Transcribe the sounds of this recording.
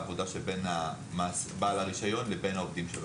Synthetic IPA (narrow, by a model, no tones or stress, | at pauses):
vod̪aʃebena | masbaːlaʁiʃajo̞nlebe̞nhaovd̪imʃeb